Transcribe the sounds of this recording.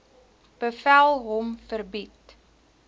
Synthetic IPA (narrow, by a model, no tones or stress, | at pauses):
b̥əfælˠɦɔmfərbit